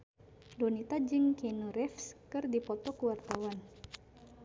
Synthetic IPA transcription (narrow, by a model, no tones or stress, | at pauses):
donit̪ad͡ʒɨŋkenuɾɛfskɨrdipɔt̪ɔkuwart̪awan